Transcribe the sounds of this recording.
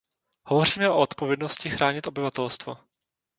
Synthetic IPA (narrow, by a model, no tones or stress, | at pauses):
hovo̞riːmɛʔo̞ot̪povjɛdno̞scɪxɾaːɲɪt̪o̞bɪvat̪ɛlst̪vo̰